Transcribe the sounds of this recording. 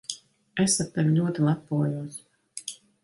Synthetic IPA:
æsat̪ːɛvʲilʲuɔt̪ilˠapːuɔjuɔs

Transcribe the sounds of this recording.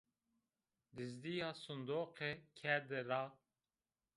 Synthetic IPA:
d̪izd̪ijɑsund̪oːqekʰɛɾd̪eɾɑ

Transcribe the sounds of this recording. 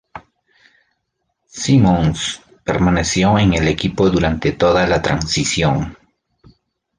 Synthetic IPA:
simoŋs | peɾmanesjoeŋe̞le̞kipo̞ðuɾant̪e̞t̪o̞ðalat̪ɾansisjo̞ŋ

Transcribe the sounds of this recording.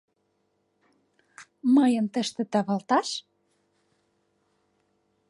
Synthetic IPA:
məjəmt̪əʃt̪ĕt̪ɑβɑlt̪ɑʃ

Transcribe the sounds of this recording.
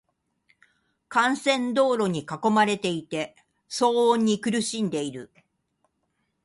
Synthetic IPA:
kãɰ̃sẽ̞nd̪o̞ːɾo̞ɲ̟ikako̞maɾe̞t̪e̞it̪e̞ | sõ̞ːɲ̟ːikɯ̟ɾɯ̟ɕĩnd̪e̞iɾɯ̟

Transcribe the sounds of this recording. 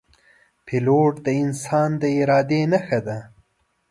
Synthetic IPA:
pʰɪloʈd̪əɪnsɑnd̪əɪɾɑːd̪enaxad̪a

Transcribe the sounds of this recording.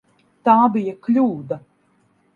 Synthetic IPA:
t̪aːbijɐklʲuːd̪a

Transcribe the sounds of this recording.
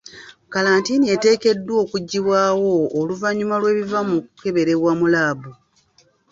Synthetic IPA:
kalaːntiːnie̞te̞ːke̞dːwo̞ːkuɟːiβwaːwo̞ːluvaɲumalwe̞ːβivamukuke̞βe̞ɾe̞βwamulaːbu

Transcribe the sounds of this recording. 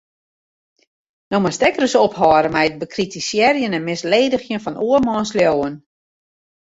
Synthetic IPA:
nɔməstɛkərəsophɔːɾəmɛjət̚bəkʰritisjɛrjənɛnmɪsleːdəxjənfɔnuəmɔːnsljoːən

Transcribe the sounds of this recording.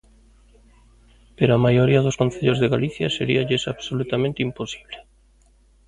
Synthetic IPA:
peɾoamajoɾiaðoskon̟θeʎozðeɣaliθja̰seɾḭaʎesaβsolut̪amẽnt̪imposi̥βle

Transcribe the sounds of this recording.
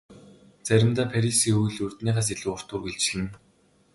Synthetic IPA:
t͡sæɾʲɪ̆mt̪aːpʰæɾʲisiːŋxuɣ̆ɮɵr̥t̪niːʁaːs̬iɮɘ̆ʊr̥t̪ʊːrɡeɮt͡ɕɮɘ̆n

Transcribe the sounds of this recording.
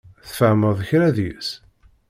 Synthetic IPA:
θfəʕməðˤəçɾæðjḭs

